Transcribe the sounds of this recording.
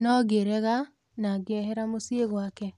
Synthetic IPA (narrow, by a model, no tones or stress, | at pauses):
nɔɣeɾɛɣa | naɡɛɦɛɾamosieɣwakɛ